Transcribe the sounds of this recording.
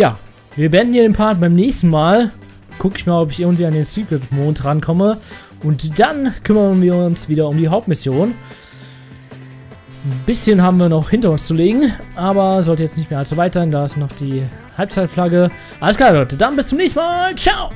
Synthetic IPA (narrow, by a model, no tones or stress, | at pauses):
jaː | viːɐbəɛndn̩hiɐdeːnpʰaɐt̚b̥aɪmnɛːçstn̩maːl | kʰʊkɪçmaːlɔpɪçɪɐɡŋ̩tv̥iːandeːnsyːkmoːntʁankʰɔmə | ʔʊntd̥ankʰʏmɐnviːɐʊnsv̥iːdɐʊmdiːɦaʊp̚tmɪsjoːn | nbɪsçənɦaːbm̩viːɐnɔχhɪntɐʊnst͡suleːɡŋ̩ʔaːbɐzɔltəjɛt͡stnɪçtmeːɐalzovaɪtz̥aɪndaːɪstnɔχd̥iːhalp̚t͡saɪtflaɡə | ʔaləsɡ̥aːɔʏtəd̥anbɪst͡sʊmnɛːçstn̩maːlt͡ʃaʊ